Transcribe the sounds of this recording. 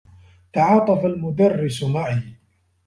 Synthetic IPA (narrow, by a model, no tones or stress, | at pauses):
t̪aʕɑːt̪ˤɑfalmʊd̪arːɪsmaʕɪ